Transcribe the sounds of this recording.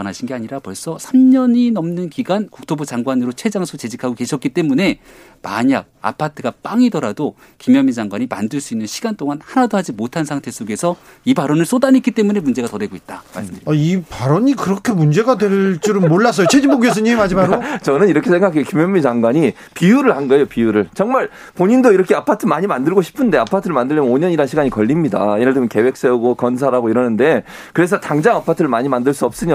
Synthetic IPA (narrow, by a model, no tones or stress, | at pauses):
ʌnaɕʰinɡe̞aɲiɾapʌɭs͈ʌsʰamɲʌɲinʌmnɯnkiɡwankuk̚tʰobut͡ɕaŋɡwanɯɾot͡ɕʰwe̞d͡ʑaŋsʰut͡ɕe̞d͡ʑikʰaɡoke̞ɕʰʌtk͈it͈e̞mune̞ | ma̰ɲa̰ɡ̚a̰pʰatʰɯɡap͈aŋidʌɾado | kimjʌmːid͡ʑaŋɡwaɲima̰ndɯɭs͈uinːɯnɕʰiɡant͈oŋanhanadohad͡ʑimotʰansʰaŋtʰe̞s͈oɡe̞sʰʌ | ipaɾʌnɯɭs͈odanik͈it͈e̞mune̞mund͡ʑe̞ɡatʌndwe̞ɡoit̚t͈ama̰ɭs͈ɯmɲidaaipaɾʌɲikɯɾʌkʰemund͡ʑe̞ɡadwe̞ɭt͡ɕ͈uɾɯnmoɭːas̬͈ʌjot͡ɕʰed͡ʑimboɡiʌs̬ɯɲimad͡ʑimaɾot͡ɕʌnɯniɾʌkʰe̞sʰŋɡakʰekimjʌmit͡ɕaŋɡwaɲi | pijuɾɯɭhanɡʌejopiuɾɯɭt͡ɕʌŋmaɭ | poɲindoiɾʌkʰe̞apʰatʰɯmaɲimandɯɭɡoɕʰi̥pʰɯnde̞apʰatʰɯɾɯɭmandɯɭːimjʌnoɲʌɲiɾanɕʰiɡaɲikʌʎːimɲida̰jeɾaɭdemʌnke̞we̞k̚s͈euɡokʌns̬ʰaɾɦaɡoiɾʌnɯnde̞ | kɯɾe̞s̬ʰʌtaŋd͡ʑaŋapʰatʰɯɾɯɭmaɲimandɯɭs͈uʌp̚s͈ɯɲo